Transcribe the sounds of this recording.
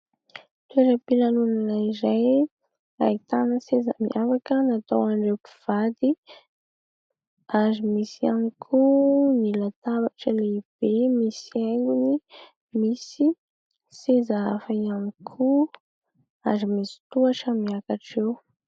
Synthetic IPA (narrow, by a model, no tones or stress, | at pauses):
t̪ueɾəpilanunanaizaj | a̰it̪anəsezə̰mḭʔafakənat̪owaɳɖ͡ʐewpi̥v̥ad̪i | azimisiamikʰunilat̪abaʈ͡ʂəleib̥emisieŋɡuni | misi | sezaafajamikʰu | azimisi̥t̪uaʈ͡ʂəmiakaʈ͡ʂew